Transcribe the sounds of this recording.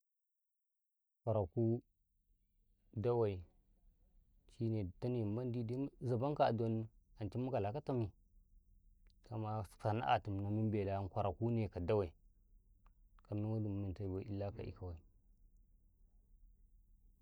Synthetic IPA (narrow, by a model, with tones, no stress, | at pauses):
kʷa˨ɾa˨ku˦ | da˦wa˨i˨ | t͡ʃi˦ne˨ta˦ni˨mba˦n˦di˦di˦za˨ba˦ŋka˨do˦n˦a˨nt͡ʃi˦mu˦ka˨la˨ka˦ta˦mi˨ | ka˨ma˦˨fa˨˦na̰˦ʔa̰˨ti˨m˨na˨mi˦m˦be˨la˦kʷa˨ɾa˨ku˦ne˨ka˨da˦wa˨i˨ | ka˨m˦na˦wa˦du˨m˨mi˨n˨ta˨i˨ba˨˦ḭ˦lːa˦ka̰˨ʔḭ˦ka˨wa˨i˨